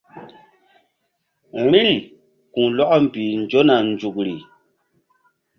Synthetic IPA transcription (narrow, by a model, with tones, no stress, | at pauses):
mi˦l | kũ˨lɔ˦ʔɔ˦m̩˨pi˨n̩˨d͡ʒo˦na˨n˨d͡ʒu˨k̚li˨